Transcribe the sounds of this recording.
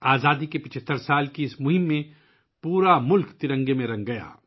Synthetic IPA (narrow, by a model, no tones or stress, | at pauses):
aːzaːd̪ikepɪt͡ʃʰət̪ːəɾsaːlkiɪsmʊɦɪ̃mːẽ | puːɾamʊlkt̪ɪɾə̃ŋɡemẽɾɐ̃ŋɡɡɐja̰ː